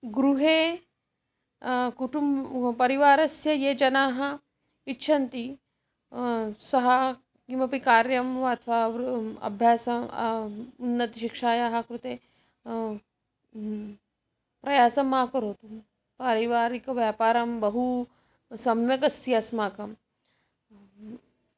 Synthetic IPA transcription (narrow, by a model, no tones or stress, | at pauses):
ɡɾuɦeː | kuʈumbpɐɾiʋaːɾɐsjɐjeːd͡ʒɐnaːɦɐ | itːʃʰɐnt̪i | sɐɦɐ | kimɐpikaːɾjɐmʋɐɐt̪ʰʋaːɐ̰bʱjaːsɐ | unːɐt̪iʃikʂaːjaɦɐkɾut̪eː | pɾɐjaːsɐmaːkɐɾɦoːt̪u | pɐɾiʋaːɾikɐʋjaːpaːɾɐmbɐɦu | sɐmjɐkɐst̪ijɐsmaːkɐm